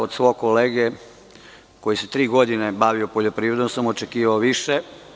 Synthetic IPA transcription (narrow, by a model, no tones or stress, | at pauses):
od̪sʋokoleːɡe | ko̞jiset̪ɾiːɡo̞d̪inebaʋiopo̞ʎopɾiːʋɾed̪omsamo̞t͡ʃekiːʋaoʋiʃe